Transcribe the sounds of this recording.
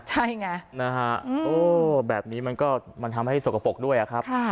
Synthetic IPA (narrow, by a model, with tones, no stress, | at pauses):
t͡ɕʰa˥˩jŋa˦˥na˦˥kʰa˦˥ʔʔoː˧˩bɛː˨˩p̚niː˦˥ma˧nkɔː˥˩ma˧nt̪ʰa˧mɦa˥˩jso˨˩ka˧po˨˩k̚du˥˩əjʔa˨˩kʰɾa˦˥kʰaː˥˩